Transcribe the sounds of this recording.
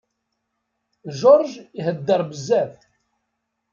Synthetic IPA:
ʒoɾˤʒihəd̪ːəɾˤbəzːæθ

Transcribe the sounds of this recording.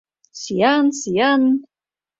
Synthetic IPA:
sijansijan

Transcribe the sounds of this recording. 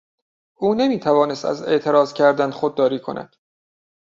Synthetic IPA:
ʔuːne̞miːt̪ʰævɒːne̞st̪æ̰ze̞ʔt̪ʰe̞ɾɒːzcʰæɾd̪ænd̪̥xod̪̚ːɒːɾiːkʰo̞̰nʔæ̰d̪̥

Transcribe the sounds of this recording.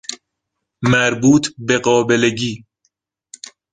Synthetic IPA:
mæɾbuːt̪ʰbeɢɒːbeleɟiː

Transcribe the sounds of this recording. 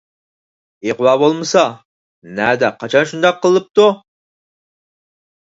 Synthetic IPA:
eqwɑbolˠmɨsɑ | næd̪ɛqʰːɑt͡ʃʰɑnʃund̪ɑqʰːəlˠɨp̚t̪u

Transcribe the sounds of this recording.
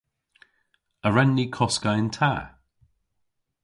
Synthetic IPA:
əɹɛnːikʰɔskaɪ̃ntʰa̰ː

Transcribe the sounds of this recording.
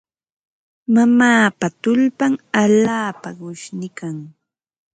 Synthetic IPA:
mamaːpat̪ʊʎpaŋaʎaːpaɢʊʃnɪkaŋ

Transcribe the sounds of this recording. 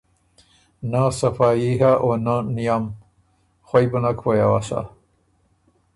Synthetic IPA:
nasafaiɦaʔonanijam | xwajbənakʰwojawasa̰

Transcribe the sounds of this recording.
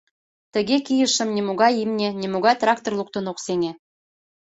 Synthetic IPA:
t̪ə̆ɣekijəʃə̆mnʲemuɣɑjimnʲenʲemuɣɑt̪rɑkt̪orlˠuk̚t̪onoqsenʲe

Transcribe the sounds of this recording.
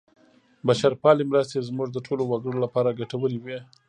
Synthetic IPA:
baʃaɾpɑlimɾəst̪ezmuʐd̪əʈʰolowaɡəɽolapɑɾaɡaʈawəliwe

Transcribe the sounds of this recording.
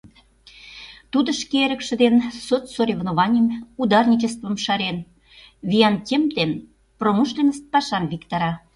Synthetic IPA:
t̪ud̪ə̆ʃkeɾə̆kʃə̆d̪ensotsoɾʲevnoβɑnʲimud̪ɑrnʲit͡ɕəst̪və̆mʃɑɾen | βʲijɑnt̪ʲemt̪en | proməʃlʲenəst̪̚pɑʃɑnvikt̪ɑɾɑ

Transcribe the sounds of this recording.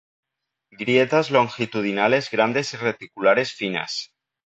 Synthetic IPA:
ɡɾjet̪azlo̞ŋxit̪uð̞inale̞zɣɾand̪e̞siret̪ikulaɾe̞sfina̰s

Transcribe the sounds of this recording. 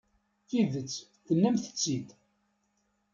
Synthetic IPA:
θiðət͡sːkənːəmθə̥t͡sːid̪

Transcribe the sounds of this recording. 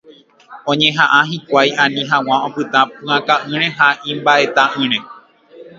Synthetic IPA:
õ̞ɲẽ̞ɦãʔãɦikʷajãnĩɦãw̃ãõpɨt̪ãpɨ̃ãkaʔɨ̃ɾ̃ẽ̞ɦaʔĩmbaʔe̞t̪aʔɨ̃ɾ̃ẽ

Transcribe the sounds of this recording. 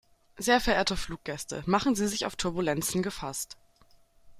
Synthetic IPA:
zeːɐfɛɐʔeːɐtəfluːk̚ɡ̥ɛstə̰maχn̩ziːzɪçaʊftʰʊɐbulɛnt͡sn̩ɡəfast

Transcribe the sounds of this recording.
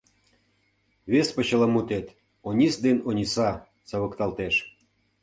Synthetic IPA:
βespə̆t͡ɕəlɑmut̪et̪ | onʲisd̪enonʲisɑ | t͡sɑβə̆kt̪ɑlt̪eʃ

